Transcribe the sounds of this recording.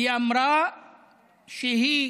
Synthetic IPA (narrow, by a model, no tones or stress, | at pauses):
jɐmɾaː | ʃiɦi